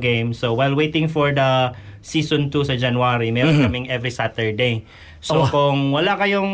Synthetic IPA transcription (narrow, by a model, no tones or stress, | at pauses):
ɡẽjmsowajlwejt̪ɪ̃ŋfɔɹd̪ɐsiːsɔ̃nt̪usɐd͡ʒɐnwaɾimɛɾõnkɐmɪŋʔɛvɹisat̪ɛɹd̪ej | sokʊŋwɐlakɐjoŋ